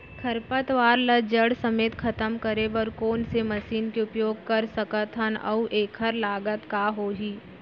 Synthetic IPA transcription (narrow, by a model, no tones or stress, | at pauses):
kʰɐɾpət̪ʋaːɾləd͡ʒəɽsɐmeːt̪kʰɐt̪əmkəɾebəɾkoːnsemɐsiːnkeʊpjoːɡ̚kɐɾsəkət̪ʰɦənɐ̰uʔeːkʰəɾlaːɡət̪kaɦoːɦiː